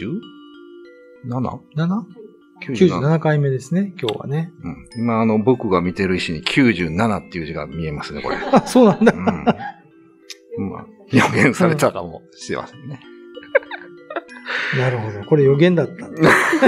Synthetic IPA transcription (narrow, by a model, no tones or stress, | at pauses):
nana̰nana | kʲːjɯːʑɨːnanakaime̞d̪e̞sɨne̞kʲo̞ːβa̰ne̞ɯ̟̃ɴimaːno̞bokɯ̟ɡamʲit̪e̞ɾɯ̟iɕiɲ̟ikʲʰɨːʑɨːnanat̪ːe̞jɯːʑiɡa̰mʲie̞masɨneko̞ɾḛaso̞ːnãnd̪a | ma̰ | joɡẽɰ̃saɾe̞t̪akamoɕi̥t̪e̞̰ma̰sene | naɾɯ̟ɦo̞d̪o̞ko̞ɾe̞jo̞ɡẽ̞nd̪at̪ːa